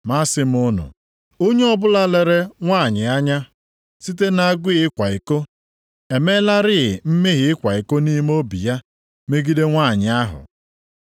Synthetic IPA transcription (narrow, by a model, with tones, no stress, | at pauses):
ma˦sɪ˦m̩˦ʊ˦nʊ̰˨ | o˦ɲe˦ɔ˦bʊ˦la˦le˨ɾe˦ŋʷaː˦˨ɲɪ˨a˦ɲa˦ | si˦t̬e˦na˨˦˨ɡʷɪ˦ɪ˦kʷa˨i˨ko˦ | e˨me˦la˦ɾɪ˦ɪ˨m̩˦me˦ɦɪ˨ɪ˦kʷa˨i˨ko˦ni˦m˦o˦bi˨ja˦ | me˦ɡi˦de˦ŋʷa˦˨ɲɪ˨a˦ɦʊ̰˨